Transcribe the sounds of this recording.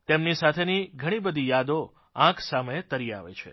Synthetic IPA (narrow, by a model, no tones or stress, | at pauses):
t̪emnisat̪ʰeniɡʱəɽ̃ibəd̪ʱijad̪o | ãkʰsaməet̪əɾia̰ʋḛt͡ʃʰḛ